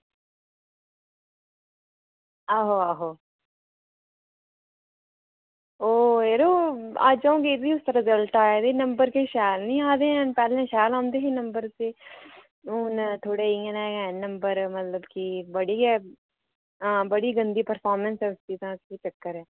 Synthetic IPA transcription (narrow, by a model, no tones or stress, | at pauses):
aːɦoːaːɦoː | oːeːɾoːa̰d͡ʒaõːɡed̪iːʊst̪ːɾɪzəlʈaːɛːd̪eːnəmbəɾkeːʃɛːlnĩːaːd̪ẽːɛ̃ːpɛːlẽːʃɛːlãːnd̪eːɦẽːnəmbəɾseː | ʊːnt̪ʰoːɽeːiənaːɛːnə̃mbəɾmət̪ləbkibəɽiːɛː | əbəɽiːɡənd̪iːpəɾfʰaːɾmə̃nsɛːʊst͡ʃiːt̪ãːskiːt͡ʃəkːəɾɛː